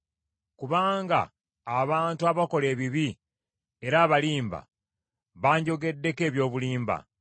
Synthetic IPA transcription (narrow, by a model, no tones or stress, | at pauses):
kuβaːŋɡa̰ː | βaːntuaβako̞le̞ːβiβi | e̞ɾaːβaliːmba̰ | βaːɲɟo̞ɡe̞dːe̞ke̞ːβjo̞ːβuliːmba̰